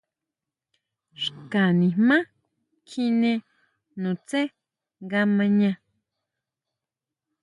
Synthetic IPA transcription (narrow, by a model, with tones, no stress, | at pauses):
ʃka˨nĩ˨hmã˦ | kʰi˧nẽ˧ | nũ˨t͡se˦ | ŋɡa˧mã˧ɲã˧